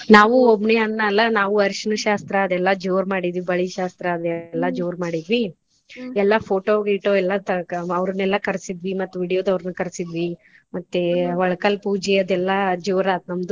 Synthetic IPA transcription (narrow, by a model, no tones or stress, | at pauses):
naːʋuobɳeɐnːɐɐlːɐnaːʋuɐɾʃɐnɐʃaːst̪ɾɐːd̪ɛlːɐd͡ʒoːɾmaːɽid̪ʋibɐɭiʃaːst̪ɾɐːd̪ɛlːɐd͡ʒoːɾmaːɽid̪ʋi | ɛlːɐpʰoːʈoːɡiʈːoɛlːɐt̪ɐɐʋɾɐnɛlːɐkɐɾsid̪ʋimɐt̪ːuʋiːɽijoːd̪ɐʋɾɐnɐkɐɾsid̪ʋi | mɐt̪ːeʋɐɭɐkɐlpuːd͡ʒɛɐd̪ɛlːɐd͡ʒoːɾaːt̪̚nɐmd̪u